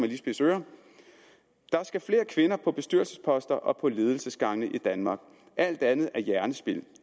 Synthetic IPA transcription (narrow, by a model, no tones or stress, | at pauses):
mæliːsb̥e̝søːɐ | d̥ɑ̈æɐsɡ̥æfle̝ːɐkʰʋe̝nɐpʰɒ̽b̥e̝sd̥yɐlsəspʰɒ̽sd̥ɐʔɒ̽pʰɒ̽le̝ːð̞ˠl̩səsɡ̥ɑ̈ŋnəʔid̥ænmɑ̈ːɡ̥̚ | ʔæl̰d̥ænð̞̩ˠæɐjæɐnəsb̥e̝l